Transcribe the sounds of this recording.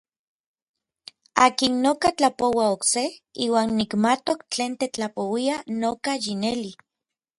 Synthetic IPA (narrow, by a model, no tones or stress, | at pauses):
aːkinːokat͡ɬapowaokseiːwaːnːikmat̪okt͡ɬeːnt̪et͡ɬapowianokajineli